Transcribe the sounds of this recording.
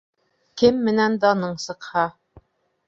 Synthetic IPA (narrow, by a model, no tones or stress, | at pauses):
kɘmːɘ̆nænd̪ɑnɤɴsɤ̆qhɑ